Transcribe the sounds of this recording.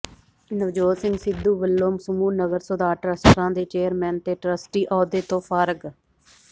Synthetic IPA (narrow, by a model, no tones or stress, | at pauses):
nəʋd͡ʒoːsɪŋɡsɪd̪ːuːʋəlːoːmsəmuːnəɡəɾsod̪aːʈɾəsʈɾãːd̪eːt͡ʃeːəɾmɛːnt̪eːʈɾəsʈiːʔɔːd̪eːt̪õːfʰaːɾəɡ